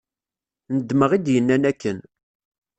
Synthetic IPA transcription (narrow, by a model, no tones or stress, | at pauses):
nəd̪ːməʁid̪jənːænækːən